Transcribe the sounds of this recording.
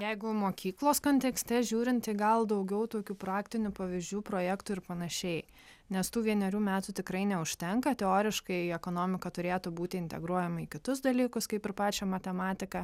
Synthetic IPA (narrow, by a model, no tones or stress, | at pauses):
jɛɪɡʊmoːkʲʰiːklˠoːskoːnʲt̪ʲɛksʲt̪ʲɛʒʲuːɾʲɪnt̪t̪ɐɪɡɐlˠd̪ɐʊɡʲɛʊt̪oːkʲuːpɾɑːkt̪ʲɪnʲʊpɐʋʲizʲd͡ʒʲuːpɾoːjækt̪ʊɪɾpɐnɐʃʲɛɪ | nʲɛst̪uːʋʲiɛnʲɛɾʲuːmʲæːt̪uːt̪ʲɪkɾɐɪnʲɛʊʃʲt̪ʲɛŋkɐt̪ʲɛoːɾʲɪʃkɐɪɛkoːnoːmʲɪkɐt̪ʊɾʲeːt̪ʊbuːt̪ʲɪɪnʲt̪ʲɛɡɾuɔjɛmɐikʲɪt̪ʊsd̪ɐlʲiːkʊskɐɪpɪɾpɑːt͡ʃʲɛmɐt̪ʲɛmɑːt̪ʲɪkɐ